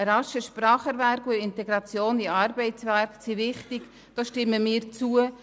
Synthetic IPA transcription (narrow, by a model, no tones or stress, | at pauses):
ɾɑʃəʃprɑːχəɾvæɾkuɪntɛɡɾɑt͡sjoːniɑːɾbɛɪt͡sʋærksiʋɪχtɪɡ̥ | d̥oːʃtɪmːəmiːɾt͡suə